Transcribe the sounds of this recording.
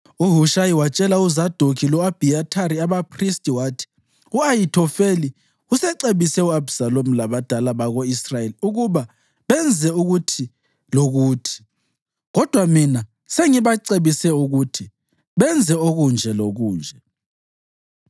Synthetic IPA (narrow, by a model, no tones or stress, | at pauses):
uɦuʃajiwat͡ʃʼɛlauzad̥ʱokʰilɔab̥ʱiatʰaɾiaβapʰristʼiwaːtʰi̥ | uajitʰɔfeli | usɛǀeβisɛuabsalom̩laβad̥ʱalaβaɣoisrajeliuɣuβa | βɛnd͡zʱɛuɣutʰi | loɣuːtʰi̥ | ɣɔd̥ʱwamina | seŋiβaǀeβisɛuɣutʰi | βɛnd͡zʱɛoɣund͡ʒʱɛloɣuːnd͡ʒʱɛ